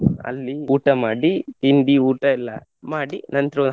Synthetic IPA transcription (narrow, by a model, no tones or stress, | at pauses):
ɐ̰lːiuːʈɐmaːɽit̪ind̪iuːʈɐilːɐ̰ | maːɽinɐnt̪ɾɐ